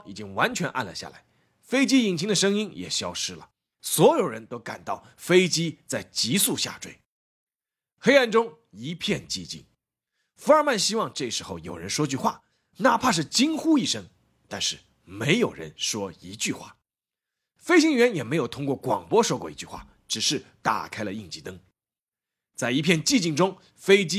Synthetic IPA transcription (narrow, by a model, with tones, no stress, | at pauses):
i˨˩t͡ɕi˥ŋwa˧˥nt͡ɕʰɥɛ˧˥nʔa̰˥˩nlə̰˩ɕja̰˥˩la̰˧˥ɪ | fe˥ɪt͡ɕi˥i˨˩ŋt͡ɕʰi˧˥ŋd̪ə˨˧ʂɤ˥ŋi˥njɛ̰˨˩ɕjɑ˥ʊʂɻ̩˥lə̰˨ | swɔ˧˥jo˨˩ʊɻə̰˧˥nt̪o˥ʊka̰˨˩nt̪ɑ˥˩ʊfe˥ɪt͡ɕi˥t͡sa˥˩ɪt͡ɕi˧˥su˥˧ɕja̰˥˧ʈ͡ʂwe˥˩ɪ | xe˥ɪa˥˩nʈ͡ʂʊ˥ŋ | i˧˥pʰjɛ˥˧nt͡ɕi˥˧t͡ɕḭ˥˩ŋ | fə˞˧ma˥˩nɕi˥wɑ˥˧ŋʈ͡ʂɤ˥˩ʂɻ̩˧˥xo˥˩ʊjo˨˩ʊɻə̰˧˥nʂwɔ˥t͡ɕy˥˧xwa̰˥˩ | na˥˧pʰa˥˧ʂ̬ɻ̩˥˩t͡ɕi˥ŋxu˥i˥˩ʂɤ˥ŋ | t̪a˥˧nʂɻ̩˥˩ | me˧˥ɪjo˨˩ʊɻə̰˧˥nʂwɔ˥i˧˥t͡ɕy˥˧xwa̰˥˩ | fe˥ɪɕi˧˥ŋɥɛ˧˥njɛ˨˩me˧˥ɪjo˨˩ʊt̪ʰʊ˥ŋkwɔ˥˩kwɑ̰˨˩ŋpwɔ˥ʂwɔ˥kwɔ˥˩i˧˥t͡ɕy˥˧xwa̰˥˩ | ʈ͡ʂɻ̩˨˩ʂɻ̩˥˩t̪a̰˨˩kʰa˥ɪlə˧i˥˩ŋt͡ɕi˧˥˩t̪ɤ˥ŋ | t͡sa˥˩ɪi˧˥pʰjɛ˥˧nt͡ɕi˥˧t͡ɕi˥˩ŋʈ͡ʂʊ˥ŋ | fe˥ɪt͡ɕi˥